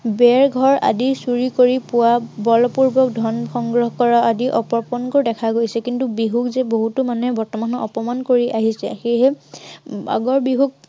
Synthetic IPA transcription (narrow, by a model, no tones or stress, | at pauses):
bɛɹɡʱɔɹa̰disuɹikoɹipʊwabɔlɔpuɹbɔkdʱɔnxɔŋɡɹɔɦɔkɔɹaʔadiʔɔpɔɹpɔnkɔɹdɛkʰaɡojsɛkintubiɦukzɛboɦutʊmanuɛbɔɹtɔmanɔɔpɔmankoɹiʔaɦisɛ̰xeɦɛ | a̰ɡɔɹbiɦuk̚